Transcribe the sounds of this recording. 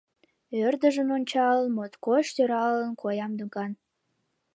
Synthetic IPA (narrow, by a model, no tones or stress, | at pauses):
ørd̪əʒənonʲt͡ɕɑlənmot̪koʃt̪øɾɑlənkʰojɑmd̪ukɑn